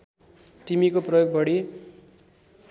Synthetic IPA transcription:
t̪imikoprʌjoɡ̚bʌɽi

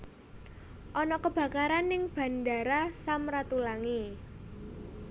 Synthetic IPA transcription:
ʔɔnɔkəb̥ä̤kaɾanɪŋb̥ä̤nda̤ɾasamɾat̪ulaŋi

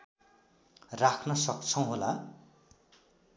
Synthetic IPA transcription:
rakʰnʌsʌk̚t͡sʰʌ̃w̃ɦola

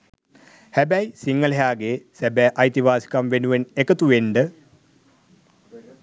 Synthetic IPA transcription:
hebɐjsiŋːɐlɦaːɡesebɛʔɐjt̪iʋaːsi̥kɐmʋenuʋenekɐt̪uʋeɳɖɨ

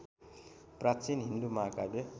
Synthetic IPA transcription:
prat͡sinɦind̪umakale

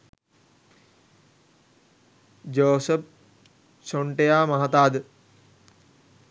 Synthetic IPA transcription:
d͡ʒoːsəp̚ | soɳʈejaːmɐɦat̪aːd̪ə

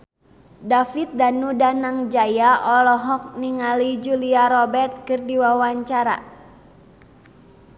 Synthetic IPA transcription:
dafit̪̚danudanaŋd͡ʒajaʔɔlɔɦɔk̚niŋalid͡ʒuliaɾɔbɛrt̪̚kɨrdiwawaɲt͡ʃaɾa̰

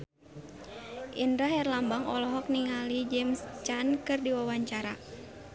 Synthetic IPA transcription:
ʔindɾahɛrlambaŋɔlɔɦɔk̚niŋalid͡ʒɛmst͡ʃankɨrdiwawaɲt͡ʃaɾa

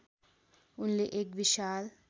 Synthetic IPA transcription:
ʊnleʔekʋiʃaːl

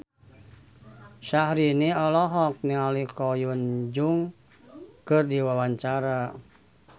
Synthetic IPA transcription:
ʃahɾiniɔlɔɦɔk̚nialikɔjund͡ʒuŋ | kɨrdiwawaɲt͡ʃaɾa

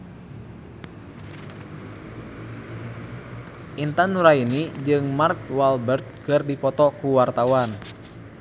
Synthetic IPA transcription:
ʔint̪anuɾainid͡ʒɨŋmarkwalbərt̪̚kɨrdipɔt̪ɔkuwart̪awan

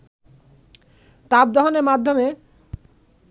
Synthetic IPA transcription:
t̪ab̚d̪ɔɦoneɾmad̪ʱːome

